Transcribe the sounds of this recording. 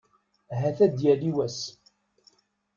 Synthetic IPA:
ɦæθæd̪jæliwæs

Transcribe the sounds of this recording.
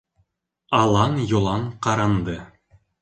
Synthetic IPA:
ɑlˠɑnjŏlˠɑɴqɑɾɑnd̪ɤ

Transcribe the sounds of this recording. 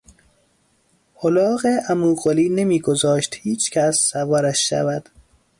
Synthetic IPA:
holɒːɣeʔæmuːɣoliːnemiːɡozɒːʃt̪hiːt͡ʃcʲʰæsːævɒːɾæʃːæ̰væd̪̥

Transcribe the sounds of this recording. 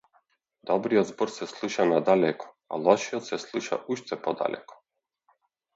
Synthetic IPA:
d̪ɔbɾijod̪zbɔɾsɛslˠuʃanad̪alɛkʰɔ̥ | a̰lˠɔʃioɔt̪sɛslˠuʃa̰ʔuʃt̪ɛpɔd̪a̰lɛ̰kɔ̥

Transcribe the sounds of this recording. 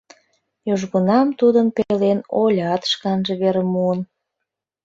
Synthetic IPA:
joʒɣunɑmt̪ud̪ənpelenolʲɑt̪ʃkɑnʒeβeɾəmuən

